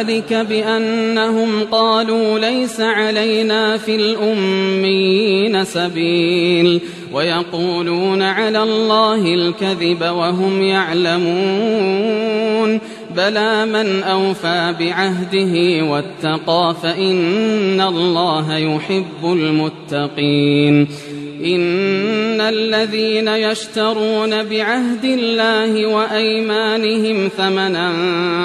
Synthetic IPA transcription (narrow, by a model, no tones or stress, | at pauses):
lɪkabɪʔanːaɦʊmqɑːluːlajsaʕalajnaːfilʔʊmːɪjiːnasabiːl | wʔajɑquːluːnaʕalaːlˤːɑːɦɪlkaðɪbawaɦʊmjaʕlamuː | n | balaːmanʔawfaːbɪʕaɦd̪ɪɦɪwat̪ːɑqɑːfaʔɪnːalˤːɑːɦajʊħɪbːʊlmʊt̪ːɑqiːn | ʔɪnː | alːaðiːnajaʃt̪ɑɾˤuːnabɪʕaɦd̪ɪlːaːhɪwaʔajmaːnɪhɪmθamanan